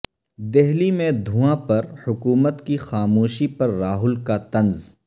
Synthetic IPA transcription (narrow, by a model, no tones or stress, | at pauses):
d̪ɛɦlimẽd̪ʱũːãpɐɾhʊkuːmət̪kixaːmuːʃipɐɾːaːɦʊlkat̪ɐ̃nz